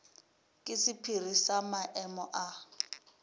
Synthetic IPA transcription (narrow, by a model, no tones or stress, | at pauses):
kʼɪsɪpʰir̤isamaʔɛmɔʔa